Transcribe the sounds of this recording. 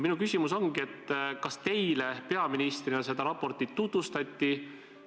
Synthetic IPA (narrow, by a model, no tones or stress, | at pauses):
minukysʲimuso̞ŋɡ̥ie̞t̪ːkɑst̪e̞jle̞pe̞ɑminist̪rinese̞d̪̥ɑɾɑpːo̞rt̪ːˑiːut̪vust̪ɑt̪ʲːi